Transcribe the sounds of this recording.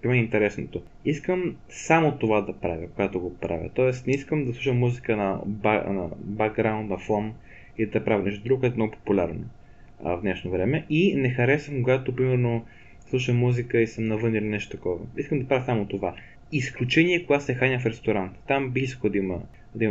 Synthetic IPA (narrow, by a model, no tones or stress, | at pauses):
pɾimɛint̪ɛɾɛsnot̪o | iskəm | samot̪ovad̪ɐpɾavʲəkoɡat̪oɡopɾʔa̰vʲə̰t̪ɔɛst̪nɛiskəmd̪ɐslˠuʃəmːuzikənɐba̰nɐ̰baɡɡɾaʊ̃nt̪nɐfˠom | id̪ɐpɾavʲɛnɛʃt̪od̪ɾuɡokoɛt̪ɛmnɔɡopo̥pulʲa̰ɾno̰ | vd̪nɛʃnovɾɛmɛinɛxɐɾɛsəmkoɡat̪opɾimɛɾno | slˠuʃəmmːuzikəisəmnɐvɤnilʲinɛʃt̪ot̪ɐkɔvə̰iskəmd̪ɐpɾavʲjəsamot̪ova | isklʲut͡ʃɛniɛkoɡasɛxanʲəfɾɛst̪oɾant̪t̪ambixiskoəd̪ɐimə | d̪ɐim